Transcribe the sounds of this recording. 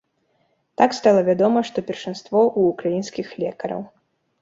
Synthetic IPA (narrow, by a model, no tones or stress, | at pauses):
t̪akst̪alˠɐvʲad̪ɔmɐʂt̪ɔpʲɛrʂanst̪vɔʔuːkɾajinsʲkʲixlʲɛkɐɾɐ̰w